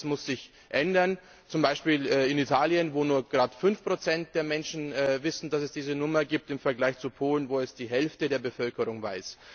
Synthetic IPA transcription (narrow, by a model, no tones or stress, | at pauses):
smʊsz̥ɪç | ʔɛndɐn | t͡sʊmbaɪʃpiːlɛɪnitʰaːljənvoːnuːɐɡ̥ʁaːtfʏnfpʁ̥ot͡sɛnt̚d̥eːɐmɛnʃn̩ɛvɪsn̩d̥asɛsd̥iːzənʊmɐɡiːp̚tɪmfɛɐɡlaɪçt͡supʰoːlənvoːɛsd̥iːɦɛlftədeːɐbəfœlkəʁʊŋva̰ɪs